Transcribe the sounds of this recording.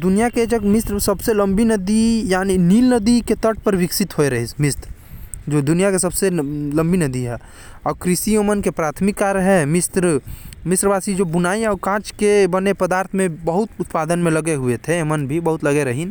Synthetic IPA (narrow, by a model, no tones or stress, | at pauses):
d̪ʊnijaked͡ʒəɡmɪst̪ɾsəbselə̃mbinəd̪ijaːniniːlnəd̪iket̪əʈ̚ʰpəɾʋɪksɪt̪ɦoeɾəɦismɪst̪ɾ | d͡ʒod̪ʊnijakesɐbselə̃mbʱinəd̪iɦɛ | ɔːɾkɾɪsiomənkepɾaːt̪ʰmɪkːaɾəɦemɪst̪ɾəmɪsɾbaːsid͡ʒobʊnaːiɔːkãːt͡ʃkebənepəd̪aːɾt̪ʰmẽbəɦʊt̪ʊt̪paːd̪ənmẽləɡeɦuet̪ʰeemənbʱibəɦʊt̪ləɡeɾəɦin